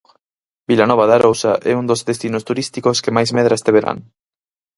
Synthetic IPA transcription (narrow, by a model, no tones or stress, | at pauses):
bilanɔβ̞aðaɾowsaʔɛ̰und̪ozðest̪inost̪uɾist̪ikoskemajzmɛðɾaest̪eβeɾa̰ŋ